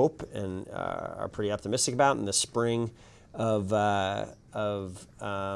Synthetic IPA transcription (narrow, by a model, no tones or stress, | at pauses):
ʊpɨ̰̃nʌ̰ə̰˞pʰɹ̥ɪɾiɑp̚təmɪstɨkəbaʊɾn̩ðɨspɹɪ̃ŋ | ʌvʌ | ʌvʌ